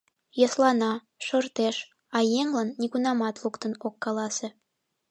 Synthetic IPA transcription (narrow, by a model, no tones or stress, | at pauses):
jɑslɑnɑ | ʃort̪eʃ | ɑjeŋlɑnːiɣunɑmɑt̪lukt̪ənokːɑlɑse